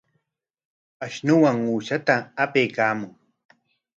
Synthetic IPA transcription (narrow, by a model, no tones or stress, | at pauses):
aʃnʊwaŋuːʃat̪aːpejkaːmʊŋ